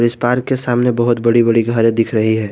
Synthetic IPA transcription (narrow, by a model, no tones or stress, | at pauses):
ɔɾɪspaːɾkːesaːmnebɐɦʊt̪bɐɽibɐɽiɡʱəɾẽd̪ɪkʰɾɐɦiɦɛː